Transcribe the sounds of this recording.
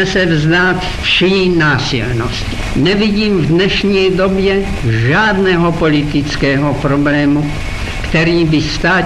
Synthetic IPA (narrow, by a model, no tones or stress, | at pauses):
ɛsɛvzd̪aːt̪ | fʃiːnaːsḭlno̰sci̥nɛviɟiːmvdnɛʃɲiːd̪o̞bjɛ | ʒaːd̪nɛɦopolit̪ɪt͡skɛːɦopɾoblɛːmu | kt̪ɛɾiːbɪst̪aː